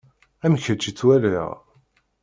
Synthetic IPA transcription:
æmçət͡ʃːit͡sːwæɾiʁ

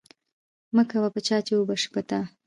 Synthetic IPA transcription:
məkawapət͡ʃɑt͡ʃewubaʂpət̪a

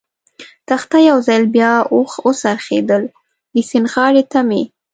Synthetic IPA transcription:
t̪axt̪ajawzɑjlbjɑoxosaɾxḛd̪əl | d̪əsinxɑɾet̪ame

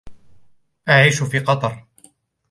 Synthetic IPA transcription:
ʔaʕiːʃʊfiːqɑt̪ˤɑɾˤ

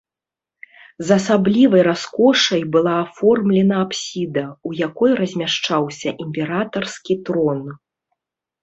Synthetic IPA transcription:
zɐsablʲivɐjɾaskɔʂɐjbɨlˠaːfɔrmlʲɛnɐapsʲid̪ɐujakɔjrɐzʲmʲaʂt͡ʂawsʲɐʔimʲpʲɛɾat̪ɐrskʲit̪ɾɔn

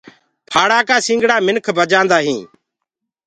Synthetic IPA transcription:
pʰaːɽaːkaːsĩːŋɡɽaːmɪnkʰbəd͡ʒãːnd̪aːɦĩː

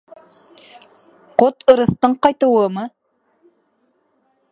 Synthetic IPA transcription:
qot̪ɤ̆ɾɤ̆st̪ɤɴqɑjt̪ɤ̆wɤmɤ

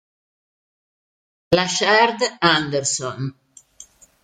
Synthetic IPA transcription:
laʃɛɾd̪and̪ɛɾsɔn

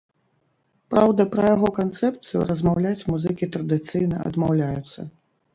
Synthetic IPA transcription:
pɾawd̪ɐpɾɐjaɣɔkant̪sɛpt̪sɨjṵɾɐzmawlʲat͡sʲmuzɨkʲit̪ɾɐd̪ɨt̪sɨjnɐɐ̰d̪mawlʲajut̪sːɐ̰

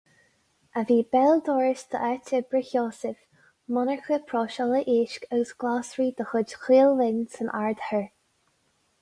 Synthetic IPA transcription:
ʔəviːbɛld̪ɔːɹst̪ʰə̰ʔatʰəbɹɪçjɔːsɪf | mɔnəɹxəpʰɹɔːʃɔləʔiːʃkəɡəsɡ̥laːsɹiːd̪əxʊd͡ʒxiːlvɪnsənʔa̰ɹd̪həɹ

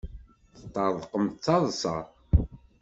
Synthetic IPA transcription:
θə̥t̪ːɑðˤqəmt͡sːɑðˤsɑ

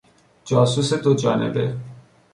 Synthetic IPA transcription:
d͡ʒaːsuset̪od͡ʒa̰ːnḛbḛ

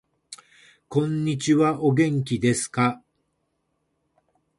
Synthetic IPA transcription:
kõ̞ɲ̟ːit͡ɕiβaʔo̞ɡẽ̞ŋkʲid̪e̞sɨ̥ka

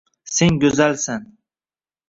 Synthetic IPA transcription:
seŋɡʲɵzalsan

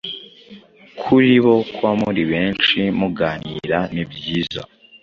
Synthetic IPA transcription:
kʰuɾiβo̞kwamuɾiβe̞ːnt͡ʃimuɡaːnḭɾanibjiːza̰

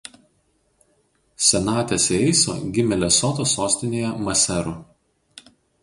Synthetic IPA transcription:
sʲɛnɑːt̪ʲɛsɛɪso̰ːɡʲɪmʲɛlʲɛsɔt̪oːsoːsʲt̪ʲɪnʲeːjɛmɐsʲɛɾʊ

